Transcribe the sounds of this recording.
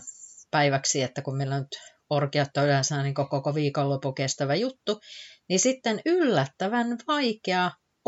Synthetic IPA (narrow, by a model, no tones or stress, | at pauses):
pæiʋæksiet̪ːækummeilːænyt̪ | orkiɑt̪ːɑylæsæːniŋkokokoʋiːkolːopukest̪æʋæjut̪ːunisit̪ːenylːæt̪ːæʋænʋɑikeɑ